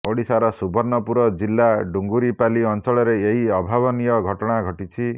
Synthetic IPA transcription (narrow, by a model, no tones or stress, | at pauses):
oɽisaɾɔsubʱɔɾnɔpuɾɔd͡ʒilːaɖuŋɡuɾipaliɔnt͡ʃɔɭɔɾeeɦiɔbʱaβɔnijɔɡʱɔʈɔɽ̃aɡʱɔʈit͡ʃʰi